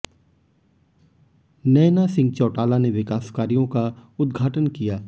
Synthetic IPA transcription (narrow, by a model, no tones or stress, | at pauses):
nɛːnasɪ̃ŋɡ̚t͡ʃɔːʈaːlaneʋɪkaːskaːɾijõkaʊd̪ɡʱaːʈənkijaː